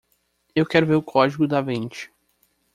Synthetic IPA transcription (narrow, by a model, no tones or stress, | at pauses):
ewkɛɾʊveɾʊkʰɔd͡ʒiɡʊd̪ɐvẽt͡ʃɪ̥